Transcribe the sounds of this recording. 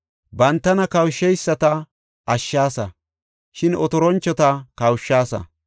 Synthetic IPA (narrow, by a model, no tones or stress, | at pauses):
bɐnt̪ːɐnɐkɐwʃːɛjsːɐt̪ɐ | ɐʃːaːsɐ | ʃɪnɔt̪ɔɾɔnt͡ʃːɔt̪ɐkɐwʃːaːsɐ̰